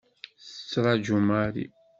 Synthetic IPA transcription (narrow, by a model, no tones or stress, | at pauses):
θə̥t͡sːɾˤɑd͡ʒumaɾḭ